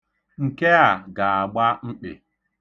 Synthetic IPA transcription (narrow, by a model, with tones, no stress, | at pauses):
ŋ̩˨ke˦a˨ɡa˨a˨ɡ͡ba˦ŋ͡m̩˦k͡pḛ˨